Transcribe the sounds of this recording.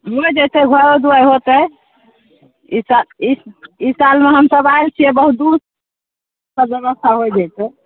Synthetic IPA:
mod͡ʒejt̪eɡʱəɾod̪uajɦot̪ə | isaiisalmeɦəmsəbajlt͡ʃʰiebəɦud̪us | kəbeβəst̪ʰaɦojd͡ʒajt̪e

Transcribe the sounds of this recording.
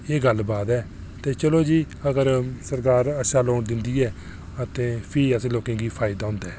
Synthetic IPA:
eːɡəlbaːd̪ɛː | t̪eːt͡ʃəloːd͡ʒiː | əɡəɾsəɾkaːɾəʃãːloːɳd̪ɪnd̪iːɛː | ət̪ẽːpʰɪəsːloːkẽːɡiːpʰaːɪd̪aːɦʊ̃ːnd̪aɛː

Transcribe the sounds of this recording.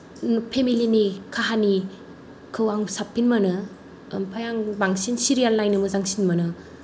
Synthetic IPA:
npʰemilinikʰaɦani | kʰɯwaŋsapʰːinmɐnɯ | mpʰajaŋbaŋsinsiɾijalnajnɯmɯzaŋsinmɐnɯ

